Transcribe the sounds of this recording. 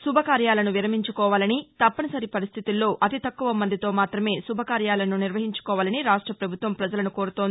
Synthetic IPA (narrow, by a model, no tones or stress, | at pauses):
subʱɐkaːɾjaːlɐnuʋiɾɐmiɲt͡ʃukɔːʋaːlɐnit̪ɐpːɐnɐsɐɾipɐɾist̪ʰit̪ilːo̞ːʔɐt̪it̪ɐkːuʋɐmɐnd̪it̪o̞ːmaːt̪ɾɐme̞ːsubʱɐkaːɾjaːlɐnuniɾʋɐɦiɲt͡ʃu̥kɔːʋaːlɐniɾaːʂʈɾɐpɾɐbʱut̪ʋɐmpɾɐd͡ʒɐlɐnuko̞ːɾut̪oni